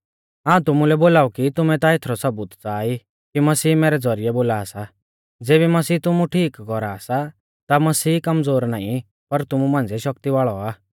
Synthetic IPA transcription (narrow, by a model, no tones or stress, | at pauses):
ɦãːũt̪ʊmulɛboːlaːukit̪ʊmɛt̪aet̪ʰɾɔsɐbuːt̪t͡saːi | kimɐsiːmɛːɾɛd͡zɔɾiɛboːlaːsa | d͡zeːβimɐsiːt̪ʊmũʈʰiːkːɔɾasa | t̪amɐsiːkɐmd͡zoːɾnaːĩ | pɐɾt̪ʊmũmãːnd͡zɛʃɐk̚t̪iʋaːɭɔaː